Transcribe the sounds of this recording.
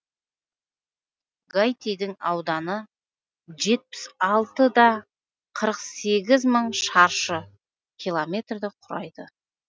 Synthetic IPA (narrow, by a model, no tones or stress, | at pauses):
ɡajt̪ʲejd̪ɪŋɑwd̪ɑnə | ʒe̞t̪̚pɪ̥sɑlˠt̪əd̪ɑ | qʰəɾəqse̞ɡʲɪzməɴʃɑɾʃə | kʲʰilˠomʲe̞t̪rd̪ɪqʰʊɾɑ̰jd̪̥ə